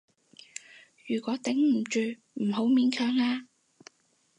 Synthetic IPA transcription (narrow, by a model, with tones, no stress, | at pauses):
jyː˨˩kʷɔː˨˥t̪ɪ˨˥ŋm̩˨˩t͡ʃyː˨˧ | m̩˨˩ɦo˨˥wmiː˨˧˥nkʰœː˨ŋaː˧